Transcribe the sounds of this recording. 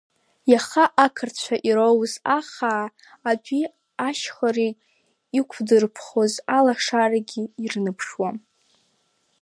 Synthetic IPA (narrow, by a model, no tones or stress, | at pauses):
jaχaʔakʰɨrt͡ɕʷʰaʔiɾowzaχaː | d͡ʒʷi | aʃχare | ikʷʰdɨrpʰχozalaʂaraɡʲiirnɨpʰʂwam